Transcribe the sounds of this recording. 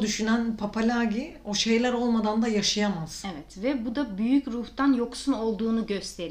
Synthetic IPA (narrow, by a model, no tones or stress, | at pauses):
d̪yʃynænpʰapʰalʲaːɟio̞ʃe̞jlʲæɾo̞lˠmad̪and̪ajaʃajamaz̥evɛt̪vɛbud̪abyjycɾuht̪anjo̞ksuno̞lˠd̪uːnuɟø̞st̪ʰe̞ɾi